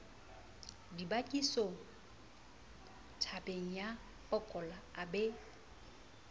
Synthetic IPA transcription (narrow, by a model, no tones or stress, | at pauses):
dibakʼiso | tʰapʼeŋ̩ja | pʼɔkʼɔlaːbe